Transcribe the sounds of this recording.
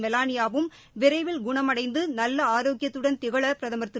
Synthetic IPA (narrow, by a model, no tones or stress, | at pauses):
mɛlaːnɪjaːʋɯm | ʋɪɾɐɪʋɪlɡʊɳɐmɐɽɐɪnd̪ɯnɐlːɐaːɾoːɡɪjɐt̪ːɯɽɐnt̪ɪɣɐɭɐpɪɾɐðɐmɐɾt̪ːɯ